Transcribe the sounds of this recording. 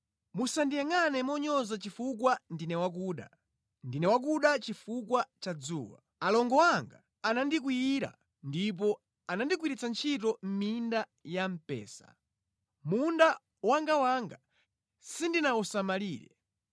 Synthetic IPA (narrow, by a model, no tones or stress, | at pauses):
musandijaŋanɛmɔɲɔzat͡ʃifuk̬wandinɛwak̬uːɗa̰ | ndinɛwak̬uɗat͡ʃifukwat͡ʃad͡zṵːwa̰ | alɔŋɡɔwaŋɡa | anandik̬wiiɾa̰ | ndip̬ɔ | anandik̬wiɾit͡sant͡ʃʰitɔm̩minda | jam̩pɛ̰ːsa̰ | munda | waŋɡawaŋɡa | sindinausamaliːɾɛ̰